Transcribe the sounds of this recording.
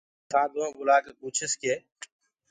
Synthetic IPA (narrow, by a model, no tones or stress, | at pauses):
kʰãːd̪õːɡʊlaːkeːpuːt͡ʃʰəskeː